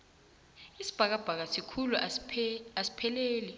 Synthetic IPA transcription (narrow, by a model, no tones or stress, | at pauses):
isi̥b̥ʱak̬ab̥ʱak̬asikʰulu | asi̥pʰɛleːli